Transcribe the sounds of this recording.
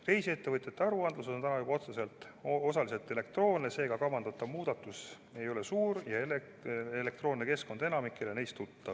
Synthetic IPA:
re̞jsie̞t̪ːe̞vɤt̪ʲjɑt̪ːeɑɾuɑnd̪lus̬o̞nt̪ænɑjubɑo̞t̪se̞se̞lt̪ˑ | o̞sɑlise̞lt̪ˑe̞le̞kt̪ro̞ːnːese̞ːɡ̥ɑkɑvɑnd̪̥ɑt̪ːˑɑvmuːd̪̥ɑt̪ːˑus | e̞jo̞le̞suːɾjɑele | ele̞k̚t̪ro̞ːnneke̞sko̞nd̪e̞nɑmikːˑelene̞jst̪ːut̪ːɑ

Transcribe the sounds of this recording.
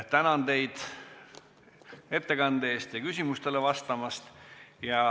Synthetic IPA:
t̪ænɑnd̪e̞jd̪̥ | e̞t̪ːe̞kɑnd̪̥eeːst̪jɑkysʲimust̪e̞levɑst̪ɑmɑst̪jɑ

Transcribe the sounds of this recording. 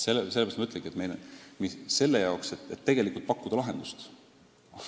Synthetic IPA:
selːeseːɑst̪mɑyt̪leŋɡiet̪me̞jlmise̞lːejɑokset̪et̪ːe̞ɡ̥e̞likult̪̚pɑkːud̪ɑlɑɦe̞nd̪̥ust̪

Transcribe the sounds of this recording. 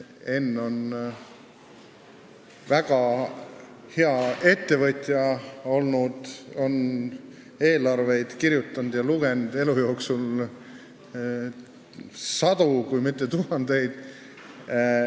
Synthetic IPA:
e̞nːo̞n | væɡ̥ɑ | he̞ɑe̞t̪ːe̞vɤt̪ʲjɑo̞lnud̪̥o̞n | e̞ːlɑrve̞jd̪̥kiɾjut̪ːˑɑnd̪̥jɑluɡend̪̥e̞lujo̞ːksul | sɑd̪ukujmit̪ˑːe̞t̪uɦɑnd̪̥e̞jd̪̥

